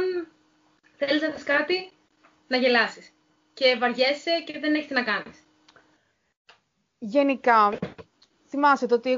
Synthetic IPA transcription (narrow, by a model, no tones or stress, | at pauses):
θeliznɐsɐskɐt̪i | nɐʝe̞lɐsis | ce̞vɐɾʝese̞ceðe̞ne̞çet̪enɐkɐnis | ʝe̞nikɐ | θimɐset̪eo̞t̪ie